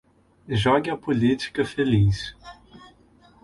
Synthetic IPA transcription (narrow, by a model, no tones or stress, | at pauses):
ʒɔɡɪɐpolit͡ʃi̥kɐfelis